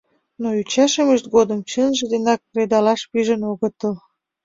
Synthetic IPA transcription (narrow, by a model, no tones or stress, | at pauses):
noyt͡ɕɑʃəməʃt̪̚ɡod̪əmt͡ɕənʒĕd̪enɑk̚ːred̪ɑlɑʃpyʒənoɣət̪əl